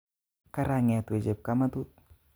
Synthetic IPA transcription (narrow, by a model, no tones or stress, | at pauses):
kaɾaŋet̪ued͡ʒɛp̚kamat̪ut̪̚